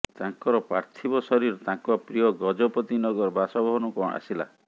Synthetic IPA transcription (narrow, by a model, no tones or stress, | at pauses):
t̪aŋkɔɾɔpɾa̰ɾt̪ʰibɔsɔɾiɾɔt̪ãŋkɔpɾiɔɡɔd͡ʒɔpɔt̪inɔɡɔɾɔbʱasɔbɔɦɔnukɔɽ̃ʔa̰sila̰